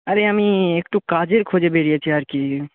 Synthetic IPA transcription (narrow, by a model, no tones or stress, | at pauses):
ɐɾeɐmiekʈukad͡ʒeɾkʰod͡ʒebeɽijet͡ɕʰiaɾki